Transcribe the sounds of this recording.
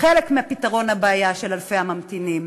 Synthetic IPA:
χelekmeapitaʁo̞nhabaːjaʃelalfejhamamtinim

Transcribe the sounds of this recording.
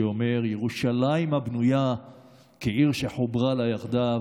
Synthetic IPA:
ome̞ʁjeʁuʃalaimhabnuja | keʔiʁʃeħobʁalajaχd̪a

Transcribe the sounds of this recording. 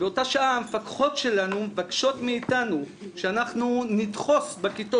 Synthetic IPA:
beo̞taʃaaamefakχo̞tʃe̞lanumevakʃo̞tmeitanu | ʃeanaχnunidχo̞sbekito

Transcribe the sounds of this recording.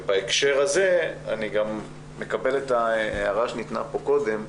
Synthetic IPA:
baekʃe̞ʁaze̞a̰niɡamː | e̞kabe̞letaeaʁaʃenit̪na̰po̞ko̞d̪e̞m

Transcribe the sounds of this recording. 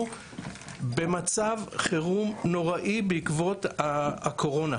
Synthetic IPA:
be̞mat͡savχeʁumno̞ʁaʔibeikvo̞takʰo̞ʁo̞na

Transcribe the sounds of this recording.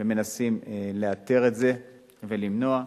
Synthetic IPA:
eme̞nasimle̞at̪eʁe̞tze̞ | ve̞limno̞a

